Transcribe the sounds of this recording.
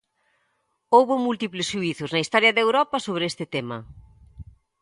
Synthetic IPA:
owβʊmult̪iplɪsʃuiθʊznɐist̪ɔɾjɐðewɾɔpɐsoβɾest̪ɪt̪emɐ̰

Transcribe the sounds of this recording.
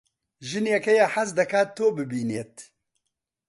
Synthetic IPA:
ʒɨnjɛkɛjaħazd̪ɐkaːt̪ʰːoːbɨbiːneːt̪

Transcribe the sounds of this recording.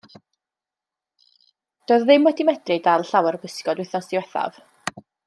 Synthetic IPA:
d̥oːððɪmwɛdimɛd̥rɨdalˠɬawɛrbəskɔdwɪθɔsdiwɛθa̰v̥

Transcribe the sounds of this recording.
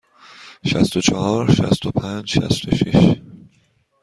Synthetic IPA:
ʃæst̪ot͡ʃʰɒhɒːɾʃæ̰st̪ʰopʰænd͡ʒʃæ̰st̪oʃiʃ

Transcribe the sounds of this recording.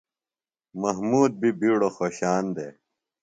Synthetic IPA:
mɐɦmuːd̪̚bibiːɽoxoːɕaːnd̪eː

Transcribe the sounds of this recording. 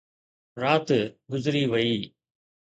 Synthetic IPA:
ɾaːt̪ɡʊzɪɾiʋəiː

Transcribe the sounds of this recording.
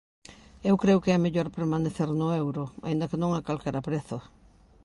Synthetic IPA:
ewkɾewkeɛameʎoɾpeɾmaneθeɾnʊewɾʊa̰ĩnd̪ɐkenõŋakalkaɾapɾeθʊ

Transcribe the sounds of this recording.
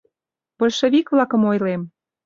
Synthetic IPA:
bolʲʃĕβʲikβlɑkə̆mojlem

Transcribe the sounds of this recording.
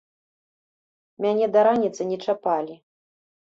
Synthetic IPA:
mʲanʲɛd̪ɐɾanʲit̪sɨnʲɛt͡ʂapalʲi

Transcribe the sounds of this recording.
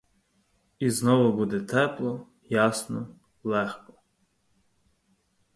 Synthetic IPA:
iznɔʋɔbud̪ɛt̪ɛplˠɔ | jɑsnɔ | lˠɛxkɔ

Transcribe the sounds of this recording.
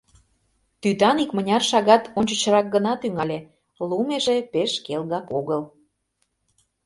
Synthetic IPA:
t̪yt̪ɑnikmənʲɑrʃɑɣɑt̪onʲt͡ɕət͡ɕəɾɑk̚ɡənɑt̪yŋɑlʲe | lumeʒepeʃkelɣɑkoɣəl

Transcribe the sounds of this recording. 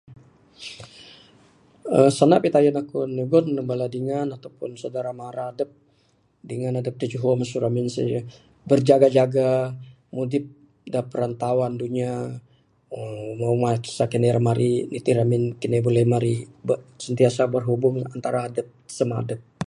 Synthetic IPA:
əsanapit̪ajanakuniɡɔnːəmbaladiŋanat̪awpʊ̰nsadaɾamaɾaːdəp̚ | diŋanadəp̚d̪əd͡ʒuɦɔmasuɾaminsə̰ | bərd͡ʒaɡad͡ʒaɡa | mudɪp̚ | dapəɾant̪awanduɲa | əmawmḁsakinɛɾamaɾʔinit̪iɾamɪnkinɛbolɛmaɾibəsənt̪iasabərɦubʊŋant̪aɾaːdəp̚səma̰dəp̚

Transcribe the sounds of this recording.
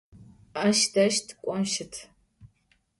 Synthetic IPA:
ɐʃdɐʃtʰkʷʼɔmʃɪtʰ

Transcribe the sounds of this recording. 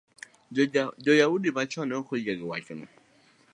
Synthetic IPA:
d͡ʒɔjaudibat͡ʃɔnɛokod͡ʒaɡɪwa̰kɪnʊ̰

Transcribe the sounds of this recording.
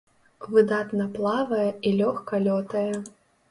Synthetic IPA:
vɨd̪at̪nɐplˠavɐjɛilʲɔxkɐlʲɔt̪ɐjɛ

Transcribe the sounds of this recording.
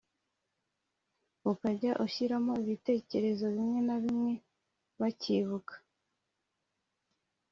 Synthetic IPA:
ukaɟaʔuçiɾamo̞iβite̞ːce̞ɾe̞zo̞βimŋe̞naβimŋe̞ | βaciβukḁ

